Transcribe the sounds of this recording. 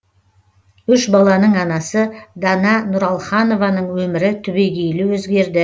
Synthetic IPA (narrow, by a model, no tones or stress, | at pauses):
ʏʃbɑlˠɑnəɴɑnɑsəd̪ɑnɑnʊɾɑlˠχɑno̞vɑnəɴwɵmɪɾɪt̪ʰʏbe̞ɡʲejlɪwɵzɡʲe̞ɾd̪ɪ